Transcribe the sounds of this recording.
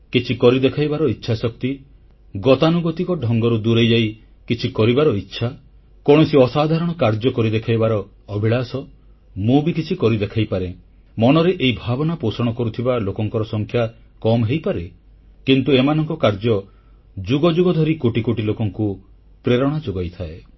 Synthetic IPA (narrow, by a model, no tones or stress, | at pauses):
kit͡ʃʰikɔɾid̪ekʰajbaɾɔitːʃʰasɔk̚t̪i | ɡɔt̪anuɡɔt̪ikɔɖʱɔŋɡɔɾud̪uɾejd͡ʒaj | kit͡ʃʰikɔɾibaɾɔitːʃʰa | kɔɽ̃ɔsiɔsad̪ʱaɾɔɽ̃ɔkaɾd͡ʒɔkɔɾid̪ekʰajbaɾɔː | bʱiɭasɔ | mũbikit͡ʃʰikɔɾid̪ekʰajpaɾe | mɔnɔɾeʔeibʱabɔnaposɔɽ̃ɔkɔɾut̪ʰibalokɔŋkɔɾɔsɔŋkʰja | kɔmɦejpaɾe | kint̪uemanɔŋkɔkaɾd͡ʒɔ | d͡ʒuɡɔd͡ʒuɡɔd̪ʱɔɾikoʈikoʈilokɔŋku | pɾeɾɔɽ̃ad͡ʒoɡɔjt̪ʰae